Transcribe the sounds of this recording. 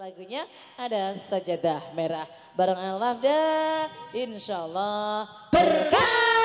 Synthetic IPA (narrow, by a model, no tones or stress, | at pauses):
laɡuɲaː | dasad͡ʒadahmeɾah | baɾaŋanalafda | ɪnʃalːɑh | b̥ərka